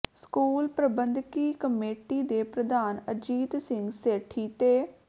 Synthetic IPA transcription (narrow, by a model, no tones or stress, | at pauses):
skuːlpɾəbənd̪kiːkəmeːʈiːd̪eːpɾəd̪aːnəd͡ʒiːt̪sɪŋɡseːʈʰːiːt̪eː